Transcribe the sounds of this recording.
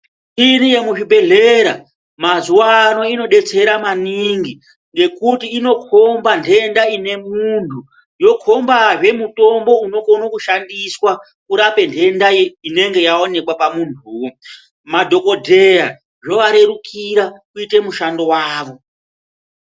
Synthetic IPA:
tiɾije̞muʐibʱe̞ɮe̞ɾa | mazuwano̞ino̞ɗe̞t͡se̞ɾamaniŋɡi | ŋɡe̞kutiino̞kʰo̞mbandʱe̞ndaine̞muntʰu | jo̞kʰo̞mbaʐe̞muto̞mbo̞uno̞konokuʃandiswa | kuɾape̞ndʰʱe̞ndaine̞ŋɡe̞jao̞ne̞kwapamuntʰuwo | madʱo̞ko̞dʱe̞ja | ʐo̞ʋaɾe̞ɾukʰiɾakuite̞muʃando̞waːʋo̞

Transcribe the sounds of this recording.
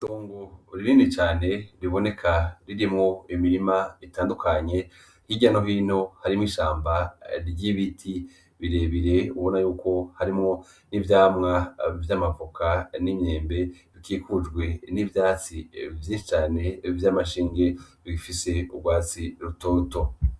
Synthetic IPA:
toːŋɡoɾiɾiːnit͡ʃaːne̞ɾiβo̞ne̞kʰaɾiɾimŋo̞imiɾimaitaːndukʰaɲe̞ | hiɟano̞ɦiːno̞haɾimuiʃaːmbaɾɟiβitʰi | βiɾe̞ːβiɾe̞uβo̞najuːko̞haɾimŋo̞ | nivjaːmŋavjamavokʰanimɲe̞ːmbe̞βikiːkud͡ʒɡwe̞nivjaːt͡sivjiːnʃit͡ʃaːne̞vjamaʃiːŋɡe̞βifise̞uɡɡwaːt͡siɾuto̞ːto̞

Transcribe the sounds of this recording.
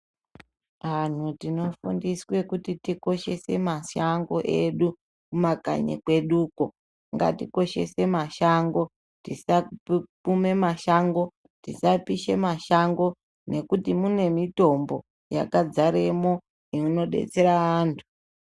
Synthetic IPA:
ʋan̤utino̞fundiswe̞kutitiko̞ʃe̞se̞maʃaŋɡo̞ʔe̞ɗu | kumaka̰ɲḛkwe̞ɗuːko̞ | ŋɡa̰tiko̞ʃe̞̰se̞maʃaŋɡo̞ | tisapume̞maʃaŋɡo̞ | tisapiʃe̞maʃaŋɡo̞ | ne̞kutimune̞mito̞mbo̞ | ja̰kad͡zaɾe̞mo̞ | iuno̞ɗe̞̰t͡se̞ɾaaːntʰu̥

